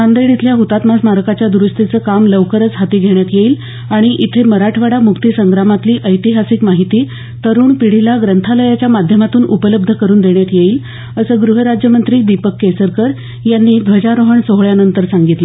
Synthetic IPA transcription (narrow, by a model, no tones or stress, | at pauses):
and̪əjɽit̪ʰljaɦut̪at̪masmaɾkat͡ɕjad̪uɾust̪it͡səːkamləʋkəɾət͡sɦat̪iːɡʱeɳ̃jat̪jeiːl | aɽ̃iʔit̪ʰeməɾaʈʰʋaɽamukt̪isəŋɡɾamat̪liːʔəjt̪iɦasikmaɦit̪iː | t̪əɾuːɳpiɽ̤ilaɡɾənt̪ʰaləjat͡ɕjamad̪ʱjəmat̪uːnupələb̚d̪ʱəkəɾuːnd̪eɳjat̪jeiːl | əsəːɡɾuɦəɾad͡ʑjəmənt̪ɾiːd̪ipəkːesəɾkəɾ | janːiːb̪ʱəd͡ʑaɾoɦəɳsoɦɭjanənt̪əɾsaŋɡit̪lə